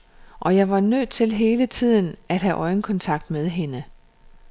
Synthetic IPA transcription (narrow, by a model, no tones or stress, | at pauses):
ʔɒ̽jɑ̈ɪʋɑ̈nøð̰ˠt͡sʰe̝lɦe̝ːlət͡sʰið̞̰ˠn̩æd̥ɦæʔɒ̽ɪnkʰɒ̽nt͡sʰɑ̈ɡ̥̚d̥með̞ˠɦe̝nə